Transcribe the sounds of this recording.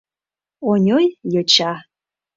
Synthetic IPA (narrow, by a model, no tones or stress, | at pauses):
onʲojjɤt͡ɕa